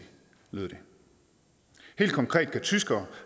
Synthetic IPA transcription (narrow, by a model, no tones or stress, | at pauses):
lḛðˠd̥e̝ | he̝̰ːld̥kʰɒ̽ŋkʰʁɛ̰ːd̥̚kʰæt͡sʰysɡ̥ɐː